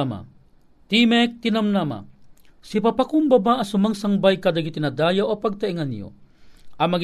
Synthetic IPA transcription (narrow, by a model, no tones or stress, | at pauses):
ma̰ | t̪imɛk̚t̪inamnama̰ | sipapakuŋbabaʔɐsumaŋsaŋbajkad̪aɡit̪inɐad̪aːjawʔopaɡ̚t̪aiŋanjo̰ʔɐmɐɡ